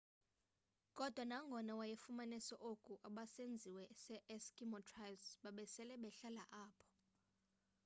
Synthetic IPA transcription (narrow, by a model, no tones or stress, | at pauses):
kʼɔd̥ʱwanaŋɡʱɔnawajefumanɛsɔʔokʼuʔaɓasend͡zʱiwɛsɛʔɛskʼimɔtʰʼrajlsɓaɓɛsɛlɛɓɛɬalaʔaːpʰɔ̥